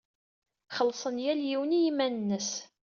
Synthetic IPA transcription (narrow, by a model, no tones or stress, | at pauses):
χəlːsˤənjæljiwnijimænənːəs